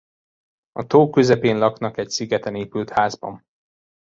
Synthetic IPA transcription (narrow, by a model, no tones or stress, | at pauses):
ɒt̪oːkøzɛpeːnlɒknɒkɛcsiɡɛt̪ɛneːpylt̪haːzbɒ̰n